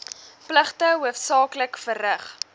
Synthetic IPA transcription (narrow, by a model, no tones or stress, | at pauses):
pləχtəɦuəfsɑːkləkfərəχ